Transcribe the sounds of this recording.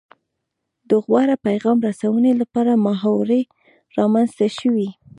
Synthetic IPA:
d̪əɣwɑɾapajɣɑmɾasawənelapɑɾamaɦɑwɾe | ɾɑmanz̥t̪aʃəwi

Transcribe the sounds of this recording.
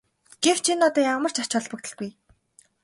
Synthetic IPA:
ɡ̥ew̥t͡ɕʰinːʊt̪ɔːjamə̆r̥t͡ɕʰḁt͡ɕʰɔɮpə̆kt̪ɘ̆ɮɡuj

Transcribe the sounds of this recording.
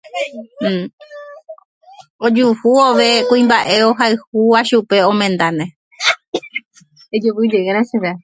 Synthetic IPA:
od͡ʒuhuoʋe̞kũĩmbaʔe̞o̞ɦaɨhuaʃupe̞õ̞mẽ̞nd̪anẽ | ed͡ʒuʋɨd͡ʒeeɾ̃ãʃeʋea

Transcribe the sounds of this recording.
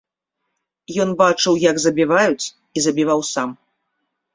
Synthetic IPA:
jɔnbat͡ʂɨwjɐɡzɐbʲivajut͡sʲ | izɐbʲivawsam

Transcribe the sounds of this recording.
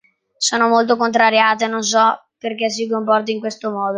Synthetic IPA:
soːnomolt̪̬okont̪ɾaɾjaːt̪enons̬ɔperk̟es̬ːik̬ompɔrt̪̬aiŋkwest̪omɔːd̪o

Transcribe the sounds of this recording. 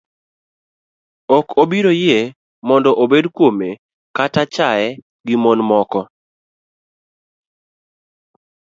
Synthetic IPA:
okobiɾoje | mɔndɔʔobedkwome | katat͡ʃaɛ | ɡɪmɔnmɔkɔ

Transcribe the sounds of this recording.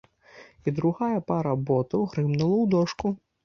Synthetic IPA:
id̪ɾuɣajɐpaɾɐbɔt̪ɐwɣɾɨmnulˠɐwd̪ɔʂku

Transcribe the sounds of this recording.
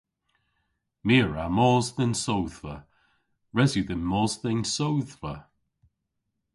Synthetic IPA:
miːɹa̰mɔːzðənsowðvə̰ | ɹɛzjuðənmɔːzðɛnsowðvə

